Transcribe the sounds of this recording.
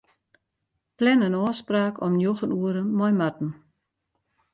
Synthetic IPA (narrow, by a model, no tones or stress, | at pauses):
plɛnənɔːspraːkʰɔmnjoxənuəɾəmɔjmat̚n̩